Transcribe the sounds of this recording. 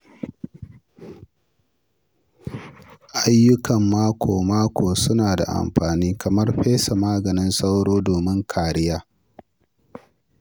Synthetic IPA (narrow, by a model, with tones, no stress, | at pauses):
ʔa˦jːʊ˦kɐ˨mːaː˦kʷʰoː˨maː˦kʷoː˨sʊ˦naː˨da̰˨ʔa̰˨mɸaː˨niː˦kɐ˨mɐ˦rɸeː˦sa˨maː˦ɡɐ˨nɪ˦nsa˦wɽoː˦doː˨mɪ˦ŋkʰaː˨ɽɪ˦jaː˦